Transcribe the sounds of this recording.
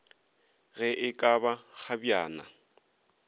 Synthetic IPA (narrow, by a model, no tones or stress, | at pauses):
ɣɛʔɪkʼabak͡xabjaːna̰